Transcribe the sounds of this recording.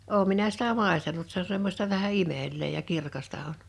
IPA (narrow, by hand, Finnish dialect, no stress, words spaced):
oˑum minæ sitæ mɑˑestɑnut se o semːosʲtɑ ʋæhæ imelˑeː jɑ kirkɑstɑ on